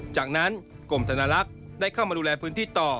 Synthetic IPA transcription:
t͡ɕaː˨˩k̚na˦˥n | ko˨˩mt̪ʰaː˧naː˧la˦˥k̚ | daː˥˩jkʰaː˥˩wmaː˧duː˧lɛː˧pʰɯː˦˥nt̪ʰiː˥˩t̪ɔː˨˩

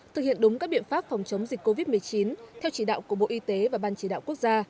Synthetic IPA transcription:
t̪ʰɨ˨˩k̚hḭ˧˨ənɗʊ˨˦ŋ͡mkaː˦˥k̚ɓḭ˧˨ənfaː˦˥p̚fɔ˨˩wŋ͡mt͡ɕə˨˦wŋ͡mzi˨˩k̚ko˧vi˦˥t̚mɨ˨˩əjt͡ɕi˨˦nt̪ʰɛ˧wt͡ɕi˧˩ɗa̰ː˧˨wku˧˩əɓo̰˧˨ʔi˧t̪e˨˦vaː˨˩ɓaː˧nt͡ɕi˧˩ɗa̰ː˧˨wku˦˥ək̚zaː˧

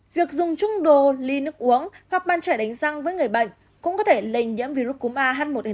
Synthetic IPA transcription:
vi˨˩ək̚zʊ˨˩ŋ͡mt͡ɕʊ˧ŋ͡mɗo˨˩li˧nɨ˦˥ək̚ʔu˨˦əŋhwaː˨˩t̚ɓaː˧nt͡ɕaː˧˩jɗa˨˦jŋ̟sa˧ŋvəː˨˦jŋɨ˨˩əjɓə̰˧˨jŋ̟ | kʊ̰˧˥ŋ͡mkɔ˨˦t̪ʰe˧˩lə˧˩jŋɲḭ˧˥əmvi˧ɾu˦˥t̚ku˨˦mʔaː˧ɦaː˦˥t̚mo˨˩t̚e˨

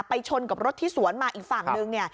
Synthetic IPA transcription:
pa˧jt͡ɕʰo˧nka˨˩p̚ɾo˦˥t̪ʰːiː˥˩su˨˩˦ənmaː˧ʔiː˨˩k̚faː˨˩ŋnɯ˧ŋni˥˩ɐ

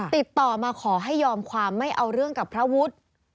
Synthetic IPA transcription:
t̪i˨˩t̪ːɔː˨˩maː˧kʰɔː˩˦ɦa˥˩jːɔː˧mkʰwaː˧mːa˥˩jʔa˧wɾɯ˥˩əŋka˨˩pʰɾa˦˥wu˦˥t̪̚

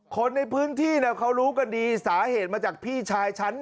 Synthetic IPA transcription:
kʰo˧nːa˧jpʰɯː˦˥nt̪ʰiː˥˩na˦˥˩kʰa˦˥wɾuː˦˥ka˧ndiː˧saː˩˦ɦeː˨˩t̪̚maː˧t͡ɕaː˨˩k̚pʰiː˥˩t͡ɕʰaː˧jt͡ɕʰa˦˥n

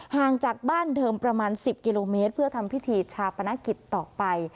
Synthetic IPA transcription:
haː˨˩ŋt͡ɕaː˨˩k̚baː˥˩ndɤː˧mpɾa˧maː˧nsi˨˩p̚ki˧loː˧meː˦˥t̪̚pʰɯ˥˩ɐt̪ʰa˧mpʰi˦˥t̪ʰiː˧t͡ɕʰaː˧wpʰa˧na˦˥ki˨˩t̪ːɔː˨˩pa˧j

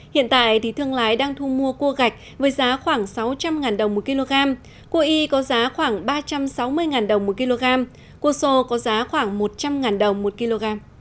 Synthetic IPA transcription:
hḭ˧˨ənt̪a̰ː˧˨jt̪ʰi˨˩˦t̪ʰɨ˧əŋlaː˨˦jɗaː˧ŋt̪ʰu˧mu˧əku˧əɣa˨˩jk̟̚vəː˨˦jzaː˨˦xwaː˧˩ŋsa˨˦wt͡ɕa˧mŋaː˨˩nɗə˨˩wŋ͡mmo˨˩t̚ki˧lo˧ɣaː˧m | ku˧əʔi˧kɔ˨˦zaː˨˦xwaː˧˩ŋɓaː˧t͡ɕa˧msa˨˦wmɨ˧əjŋaː˨˩nɗə˨˩wŋ͡mmo˨˩t̚ki˧lo˧ɣaː˧m | ku˧əso˧kɔ˨˦zaː˨˦xwaː˧˩ŋmo˨˩t̚t͡ɕa˧mŋaː˨˩nɗə˨˩wŋ͡mmo˨˩t̚ki˧lo˧ɣaː˧m

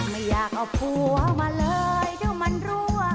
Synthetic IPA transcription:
ma˧˥˩jːaː˨˩k̚ʔa˧˩pu˧˩ka˧˩wmaː˧˥lɤː˧jt̪ʰiː˧˥˩wma˧˥nɾuː˦˥˧

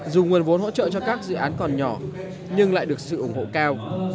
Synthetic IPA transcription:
zu˨˩ŋi˨˩ənvo˨˦nho˧˥t͡ɕə̰ː˧˨t͡ɕɔ˧kaː˦˥k̚zɨ̰˧˨ʔaː˨˦nkɔ˨˩nɲɔ˧˩ | ɲɨ˧ŋla̰ː˧˨jɗɨ˨˩ək̚sɨ̰˧˨ʔʊ˧˩ŋ͡mho̰˧˨kaː˧w

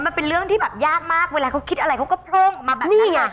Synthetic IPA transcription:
maː˨˩npe˨nlɨ˧˥əŋt̪ʰi˧˩ɓɛː˨˩p̚zaː˦˥k̚maː˦˥k̚mo˧˦laː˨˩xo˧˥ŋ͡mki˦t̚ʔə˨˩˨a˨˩ko˧˥˦ŋ͡mkɔː˨˦˥p̪ʰlo˧ŋmaː˨˩ɓa˨ni˧˨˩aː˨˩

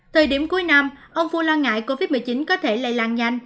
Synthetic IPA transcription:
t̪ʰəː˨˩jɗi˧˩əmku˨˦jna˧mʔə˧wŋ͡mfu˧laː˧nŋa̰ː˧˨jko˧vi˦˥t̚mɨ˨˩jt͡ɕï˨˦nkɔ˨˦t̪ʰe˧˩lə̰˧˨jlaː˨˩ŋza˧jŋ̟

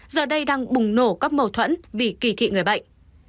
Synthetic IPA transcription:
zəː˨˩ɗə˧jɗaː˧ŋɓʊ˨˩ŋ͡mno˧˩kaː˦˥k̚mə˧wt̪ʰwə̰˧˥nvi˨˩ki˧˩t̪ʰḭ˧˨ŋɨ˨˩əjɓə̰˧˨jŋ̟

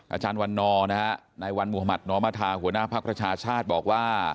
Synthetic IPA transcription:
ʔaː˧t͡ɕaː˧nwa˧nːɔː˧na˦˥ha˦˥na˧jwa˧nmuː˨˩ha˧ma˨˩t̪̚nɔː˧maː˧˥t̪ʰaː˧hu˩˦ənaː˥˩pʰa˦˥k̚pɾa˧t͡ɕʰaː˧t͡ɕʰaː˥˩t̪̚bɔː˨˩k̚waː˥˩

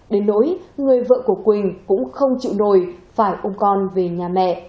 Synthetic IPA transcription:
ɗe˨˦nːo̰˧˥jŋɨ˨˩əjvə̰ː˧˨ku˧˩əkwï˨˩ŋ̟kʊ̰˧˥ŋ͡mxə˧wŋ͡mt͡ɕḭ˧˨wno˧˩jfaː˧˩jʔə˧wŋ͡mkɔ˧nve˨˩ɲaː˨˩mɛ̰˧˨

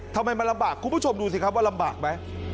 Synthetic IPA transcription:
t̪ʰa˧mha˧jma˧nla˧ɓaː˨˩kːɓaː˨˦˥t͡ɕʰo˧mɗu˧t̪ʰi˨˩kʰaː˧˦˥wkaː˦˥la˧mɓaː˨˩k̚ma˨˦j

